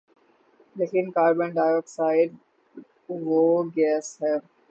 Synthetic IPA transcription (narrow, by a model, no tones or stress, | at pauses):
leːkɪnkaːɾbə̃ɳɖaːɪɾɛk̚ʈsaːɪɖ | ʋoːɡɛːsɦɛː